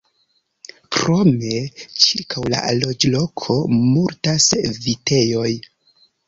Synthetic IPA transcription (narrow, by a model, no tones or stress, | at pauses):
kɾo̞me̞t͡ʃiɾkawla̰lo̞d͡ʒlo̞kʰo̞muɾtasvite̞jo̞j